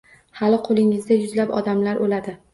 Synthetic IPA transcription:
halɪqʰolɪŋɪzd̪ajʊzlapɒ̰d̪amlaɾʔolad̪ɪ

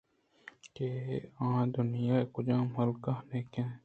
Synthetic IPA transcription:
keːãːd̪ʊnɪjaːekʊd͡ʒãːmɦɐlkaːneːkẽː

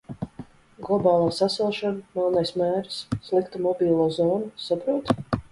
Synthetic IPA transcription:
ɡlˠɔbɑːlˠaːsasɛlˠʃɔnamɛlˠnajsmæːɾsːlˠikt̪umɔbʲiːlˠaːzɔːnusapɾuɔt̪

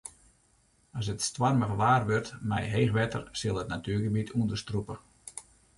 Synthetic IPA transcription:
ɔs̬ətstwarməɣəʋaːrʋørtmɛ̰jɦeːχʋɛtə̰rsɪlˠətnatyəɡəbitʰuəndəstrupə

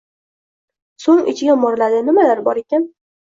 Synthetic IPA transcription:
soŋɪt͡ʃʰɪɡʲamɒɾlad̪ɪnɪmalaɾbɒɾe̞kʲan

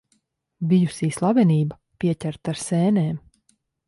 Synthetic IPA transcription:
bijusiːslˠavɛniːba | piɛcʲæɾt̪aɾsɛːneːm

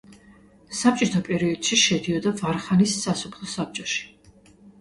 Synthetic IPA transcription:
samt͡ʃʼit̪ʰɔpʼɛɾiɔd̪̥ʃiʃɛd̪iɔd̪avaɾχanisːasɔpʰlˠɔsap̚t͡ʃʼɔʃi̥

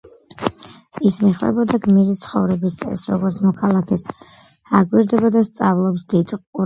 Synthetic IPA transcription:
ismiχvɛ̰bɔd̪aɡmiɾit̪sʰχɔvɾɛbist̪sʼɛ̰sɾɔ̰ɡɔɾt̪sʰmɔkʰalˠakʰɛs | aɡwiɾd̪ɛbɔd̪ast̪sʼavlˠɔpsd̪it̪ʼqʼu

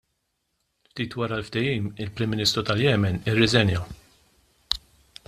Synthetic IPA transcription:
ft̪iːt̪wɐɾɐlft̪ɛjiːmɪlpɾɪmːɪnɪːst̪ɾut̪ɐljɛːmɛnɪrːɛzɛnjɐ

